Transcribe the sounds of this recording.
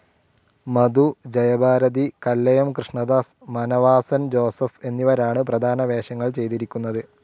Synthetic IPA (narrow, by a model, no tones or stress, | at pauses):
mɐd̪ud͡ʑɐjɐbʱaːɾɐd̪ikɐlːɐjɐmkrɨʂɳɐd̪aːsmɐnɐʋaːsɐnd͡ʑo̞ːsɐfe̞nːiʋɐɾaːɳɨprɐd̪ʱaːnɐʋe̞ːɕɐŋːɐɭt͡ɕe̞jt̪iɾikʲːunːɐðɨ